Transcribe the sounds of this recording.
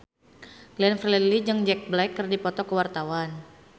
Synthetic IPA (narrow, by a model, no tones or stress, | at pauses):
lɛnfrlɛlid͡ʒəŋd͡ʒɛk̚blɛjkːɨrdipɔt̪ɔkəwart̪awan